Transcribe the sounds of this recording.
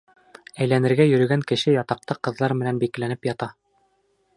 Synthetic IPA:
æjlænɘ̆ɾɡæjɵ̆ɾɘ̆ɡæŋkɘ̆ʃɘjɑt̪ɑq̚t̪ɑqɤ̆ðlˠɑɾmɘ̆nænbiklænɘpjɑt̪ɑ

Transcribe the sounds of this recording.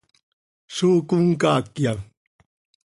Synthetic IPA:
suːkuŋkaːkja

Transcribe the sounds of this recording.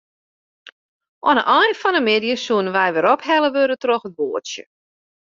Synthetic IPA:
ʔɔ̰nəʔɔjnfɔnəmɪdijəsuənənʋɛjʋɪɾɔphɛləʋøɾətrɔxət̚ʋoːətsjə̰

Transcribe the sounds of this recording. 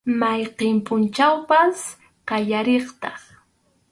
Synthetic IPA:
majqɪmpʊnt͡ʃawpas | qɑʎaɾeχt̪ɑχ

